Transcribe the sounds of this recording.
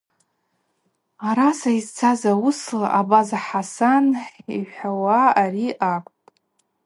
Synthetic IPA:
aɾasaizt͡sʰazawuslaʔabazaħasaniħawaːriʔakʷʼtʼ

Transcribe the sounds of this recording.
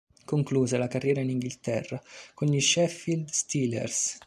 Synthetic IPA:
koŋkluːzelakarːjɛːɾainiŋɡilt̪ɛrːakonʎiʃɛfild̪st̪ilḛrs

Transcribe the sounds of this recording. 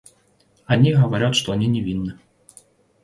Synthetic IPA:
ɐnʲiɦɐʋɐɾʲat̪ʂt̪ɔɐnʲinʲɛvʲinːɨ

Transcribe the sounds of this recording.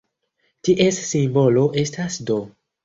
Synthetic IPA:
tiʔe̞sːimbo̞lo̞ʔe̞stasdo̞

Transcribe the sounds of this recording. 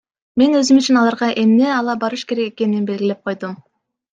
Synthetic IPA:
me̞nø̞zymyt͡ʃʰinɑlˠɑɾʁɑʔe̞mne̞ɑlˠɑbɑɾɯʃke̞ɾe̞keke̞ninnbe̞lɡʲile̞p̚qʰo̞jd̪um

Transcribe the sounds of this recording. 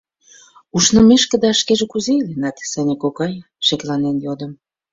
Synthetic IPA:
uʃnɤ̆meʃkə̆d̪ɑʃkeʒĕkuzeilenɑt̪sænʲekokɑj | ʃeklɑnenjod̪ə̆m

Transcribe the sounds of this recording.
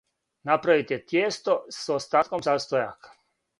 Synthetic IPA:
napɾaʋit̪et̪jeːst̪o̞sost̪aːt̪komsaːst̪ojakḁ

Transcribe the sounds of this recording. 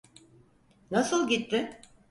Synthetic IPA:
nasɯlˠɟit̪ːɪ

